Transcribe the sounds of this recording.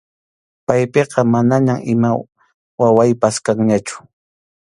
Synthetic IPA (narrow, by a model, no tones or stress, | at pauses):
pajpeqɑmanaɲamɪma | wawajpaskaŋɲat͡ʃʊ̥